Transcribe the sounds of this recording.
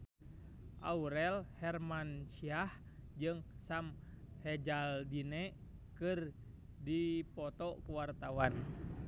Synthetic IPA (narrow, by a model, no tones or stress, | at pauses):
ʔa̰uɾɛlhɛrmanʃiahd͡ʒɨŋsamhɛd͡ʒaldinɛkɨr | dipɔt̪ɔkuwart̪awan